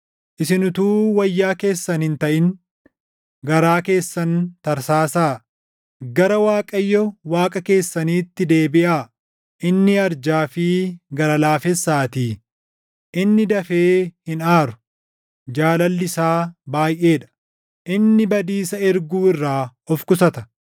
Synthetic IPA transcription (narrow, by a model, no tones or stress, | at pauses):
ʔɪsɪnʊt̪uːwɐjːaːke̞ːsːɐnhɪnt̪ɐʔɪn | ɡɐɾaːke̞ːsːɐnt̪ɐɾsaːsaː | ɡɐɾɐwaːkʼɐjːɔwaːkʼɐke̞ːsːɐniːt̪ːɪd̪e̞ːbɪʔaː | ʔɪnːɪɐɾd͡ʒaːfiːɡɐɾɐlaːfɛsːaːt̪iː | ʔɪnːɪd̪ɐfe̞ːhɪnaːɾʊ̥ | d͡ʒaːlɐlːɪsaːbaːjʔːe̞ːᶑɐ̥ | ʔɪnːɪbɐd̪iːsɐɪɾɡuːɪrːaːɔfkʊsɐt̪ɐ̥